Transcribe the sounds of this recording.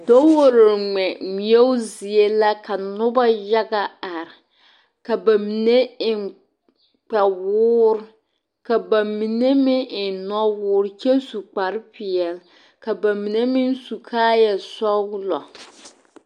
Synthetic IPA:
do˦wo˦ɾɪ˨ɾŋ͡mɛ˨mi˨ɛ˦ʊ˦zi˨e˦la˦ka˨nʊ˦ba˦ja˦ɡa˦a˨ɾɪ˨ | ka˨ba˨mi˨ne˦ɪ˨ | k͡pɛ˨wʊː˦ɾ | ka˨ba˨mi˨ne˦mɪ˦˨n˨nɔ˦wʊː˦ɾt͡ʃe˦su˨k͡pa˨ɾpɪ˨ɛ˨l | ka˨ba˨mi˨ne˦mɪ˦n˦su˨kʰaː˦jɛ˨sɔ˦wlɔ˨

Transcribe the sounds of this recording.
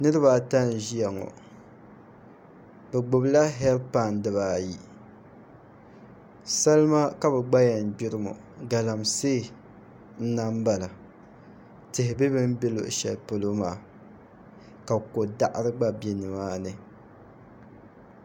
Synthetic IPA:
nɨ˦ɾɨ˦βa˨ta˦n˨ʒi˦ja˨ŋɔ̰˨ | bɛ˨ɡ͡bʊ˨bla˦ɦɛ˦lpa˦˨ndɨ˨βaː˨ji˨ | sa˦lma˦ka˦bɛ˨ɡ͡ba˦ja˨n˨bi˦ɾɨ˦mɔ̰˨ | ɡa˨la˨mseː˦˨ | n̩˦na˦m˦ba˨la˨ | tɨ˨hɪ˨bɛ˦bɨ˦m˦bi˦lo̰˨ʔʃɛ˨lpo˨lo˦maː˨ | ka˨bko˨da˨ʔɾɨ˦ɡ͡ba˦be˨nɨ˨maː˦nɨ˨

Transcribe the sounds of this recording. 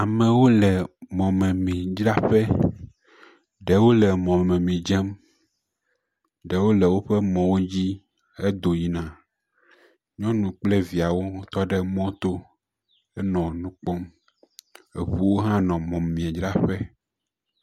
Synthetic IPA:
a˨mɛ̃˨wo˦lɛ˨mɔ̃˨mɛ̃˨mĩ˨d͡ʒɾa˦ɸɛ˦ | ɖɛ˨wo˦lɛ˨mɔ̃˨me˨mɛ̃˨mĩ˨d͡ʒɛ˦m | ɖɛ˨wo˦lɛ˨wo˦ɸɛ˦mɔ̃˨wo˦d͡ʑi˦ | ɛ˦d̪o˨ji˦nã˨ | ɲɔ̃˦nũ˨k͡plɛ˦vi˨a˨wo˦t̪ɔ˦ɖɛ˦mɔ̃˦t̪o˦ | ɛ˦nɔ̃˨nũ˦k͡pɔ˦m | ḛ˨ɸu˦wo˦ɦã˦nɔ̃˨mɔ̃˨m˨mĩ˨ẽ˨d͡ʒɾa˦ɸɛ˦

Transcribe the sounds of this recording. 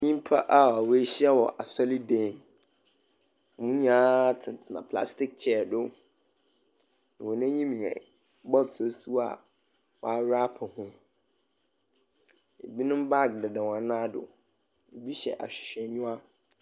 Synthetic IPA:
ɲĩ˦m˦pʰa̰˦ʔa˦˨a˨we˦ɕɪ˦ɛ˦wɔ˨ʔa˨sɔ˦li˦dẽ˨m˨ | mũ˦ɲãː˦tʰɪ̃˨n˨tʰɪ˨nã̰˨pʰla̰˦stɪ˦k̚t͡ɕʰɛ˨˦˨dʊ˦ | nã˨wɔ̃˨nã˦ɲĩ˦mĩ˨ɛ̰˨˦ | bɔ˦to˨˦su˦a̰˨ | wɔ̰˨a˦ɾa˦pʰɪ˨hʊ̃˦ | e˨bi˦nʊ̃˦m˦ba˦˨k̚dɪ˨dɛ˨wã˨nã˦dʊ̰˨ | e˨bi˦ɕɛ̰˨ʔa̰˨ɕᶣɪ̥˨ɕᶣɛ˨ɲũ˦a˦

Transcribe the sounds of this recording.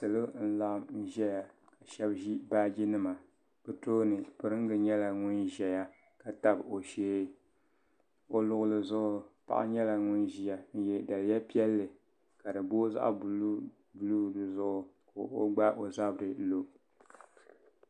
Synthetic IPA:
sɨ˨lɨ˦n̩˦la˦ʔm˦ʒɛ˦ja˨ | ka˨ʃɛ˦bʒi˦baː˦d͡ʒi˦nɨ˦ma˨ | b̥ɨ˨to˦nɨ˨pɨ˨ɾɨ˦ŋ˦ɡɨ˨ɲɛ˦la˨ŋʊ˦nʒɛ˨ja˦ | ka˨ta˦bo˨ʃeː˦ | o˦lʊ˦ɣʊ˦lɨ˦˨zʊ˦ʔʊ˦pa̰˨ʔa̰˦ɲɛ˦la˨ŋʊ˦nʒi˦ja˨n̩˦jɛ˦da˨lja˦pi˦ɛ˦lːɨ˨ | ka˨dɨ˨boː˦za̰˦ʔb | bu˦lu˦˨dɨ˨zʊ˦ʔʊ˦ko˨o̰˦ɡ͡ba˦ʔo˨za˦bɾɨ˨lo˦

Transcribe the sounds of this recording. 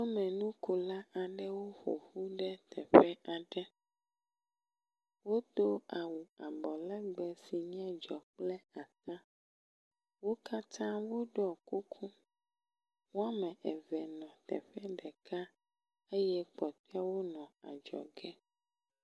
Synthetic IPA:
wo˦mɛ̃˨nũ˦ko˨la˦ʔa˨ɖɛ˦wo˦xo̰˨ɸu˦ɖɛ˦t̪ʰɛ˨ɸɛ˦ʔa˨ɖɛ˦ | wo˦d̪o˦a˨wu˨a˨bɔ˨lɛ˦ɡ͡bɛ˨si˨ɲɛ̃˦d͡ʒɔ˨k͡plɛ˦a˨t̪ã˦ | wo˦ka˦t̪ʰã˦wo˦ɖɔ˨ku˦kʰu˦ | wo˦a˦mɛ̃˨ʔɛ˨vɛ˨nɔ̃˨t̪ɛ̰˨ɸɛ˦ɖɛ˨kʰa˦ | e˦jɛ˦k͡pɔ˨t̪ɔ˦a˦wo˦nɔ̃˨a̰˨d͡ʒɔ̰˨ɡɛ˦

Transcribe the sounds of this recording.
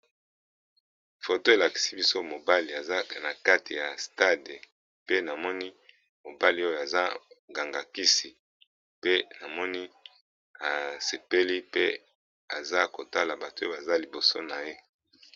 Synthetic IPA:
fo˨to˦e˨la˨ki̥˨si˦bi˦so˦mo˨ba˦li˨a˨za˦na˨ka˦ti˨ja˨sta˦de˨ | pe˦na˨mɔ˦ni˦ | mo˨ba˦li˨˦o˦jo˨a˨za˦ŋɡa˨ŋɡa˨ki˦si˨ | pe˦na˨mɔ˦ni˦ | a˨se˨pe˦li˦pe˦ | a˨za˦ko˨ta˦la˨ba˨to˨˦ba˨za˦li˨bo˨so̰˦na˨je˦

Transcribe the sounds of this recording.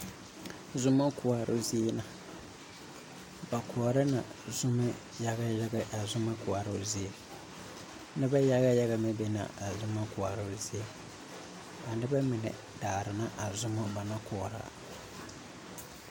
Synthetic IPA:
zʊ˦mːa˦kʊ˨a˨ɾʊ̰˦zi˦e˦na˨ | ba˨kʰɔː˨ɾɪ˦na˨zʊ˦ma˦ | ja˦ɡa˦ja˦ɡa˦a˨zʊ˦ma˦kʊ˨a˨ɾa˦˨zi˦e˨ | nɪ˦ba˦ja˦ɣa˦ja˦ɣa˦mɛ˦bɛ˦na̰˨a˨zʊ˦ma˦kʊ˨a˨ɾʊ˦zi˦e˦ | a˨nɪ˦ba˦mɪ˨nɛ̰˨ | daː˨ɾɪ˨na˦ʔa˨zʊ˦ma˦ba˨na˦kɔ˨ɾa̰˨

